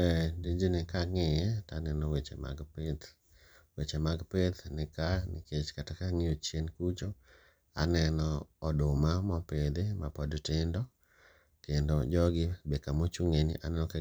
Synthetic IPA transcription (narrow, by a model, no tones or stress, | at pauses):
ɛdid͡ʒenɪkaŋɪjɛtanɛnɔwet͡ʃḛma̰ɡpet̪ | wet͡ʃemaɡpet̪nɪkanɪket͡ʃkatakaŋiot͡ʃjenkut͡ʃo | anɛnɔɔdʊmamɔped̪emapɔdtɪndɔ | kendod͡ʒɔɡɪbekamot͡ʃuŋenḭʔa̰nɛnɔke